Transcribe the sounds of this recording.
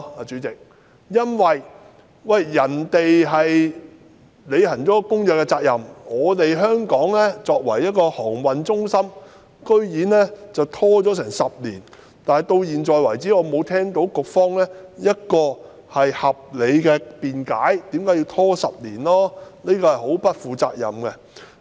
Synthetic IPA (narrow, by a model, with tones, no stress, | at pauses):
aː˨t͡ʃyː˨˥t͡sɪ˨k̚ | jɐ˥nwɐ˨j | wɐ˨˩jːɐ˨˩nt̪e˨jɦɐ˨j | le˨˧jhɐ˨˩nt͡sɔ˨˥kʊ˥ŋjœː˨˩kːɛ˧t͡saː˧k̚jɐ˨˩mŋɔː˨˧t̪e˨jɦœː˥ŋkɔː˨˥ŋlɛː˥t͡sɔː˧k̚wɐ˨˩jːɐ˥t̚kɔː˧hɔː˨˩ŋwɐ˨nt͡sʊ˥ŋsɐ˥m | kɵ˥ɥjiː˨˥nlɛː˥t͡sɐ˨wt̪ʰɔː˥t͡sɔː˨˥sɛː˨˩ŋsɐ˨p̚liː˨˩n | t̪aː˨nhɐ˨˩jt̪o˧wjiː˨nt͡sɔː˨jwɐ˨˩jt͡siː˨˥ŋɔː˨˧mo˨˧wt̪ʰɛː˥ŋt̪o˨˥wkʊ˨k̚fɔː˥ŋlɛː˥jɐ˥t̚kɔː˧ | hɐ˨jhɐ˨p̚le˨˧jkɛː˧piː˨nkaː˨˥jt̪iː˨˥mkaː˨˥ji˧wt̪ʰɔː˥sɐ˨p̚liː˨˩nlɔː˥ni˥kɔː˧hɐ˨jho˨˥wpɐ˥t̚fuː˨t͡sa̰ː˧k̚jɐ̰˨mkɛ˧